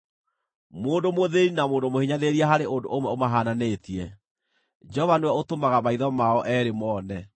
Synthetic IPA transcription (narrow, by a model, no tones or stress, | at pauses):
moːndomoðeɾinamoːndomohiɲaðeɾiaɦaɾeondoʔomwɛomaɦaːnanetiɛ | d͡ʒɛɔvanewɛotomaɣamaiðɔmaɔʔɛːɾemɔːnɛ